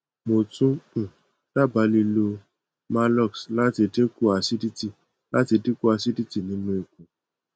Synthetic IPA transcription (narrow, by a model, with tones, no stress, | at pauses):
mo˨tũ˦˨ | la˦˨ba˨˧˦li˧lo˧ | ma˧˦lɔ˦˨ksla˦ti˧de˦ku˦a˧si˦di˦ti˦˨ | la˦ti˧di˦ku˦a˧si˦di˦ti˦˨nĩ˨˦nũ˦i˨kũ˨